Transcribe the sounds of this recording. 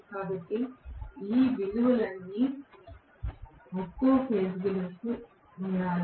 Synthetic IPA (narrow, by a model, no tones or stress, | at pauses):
kaːbɐʈːeiːʋiluʋɐlɐnːi | mokːoːpʰeːsɡɐlɐku | uɳaːɾ